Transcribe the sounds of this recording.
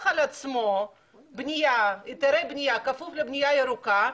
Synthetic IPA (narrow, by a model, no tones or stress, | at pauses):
χalat͡smo | bnʲijait̪eɾejbnʲijakafuflebnʲijajeɾuka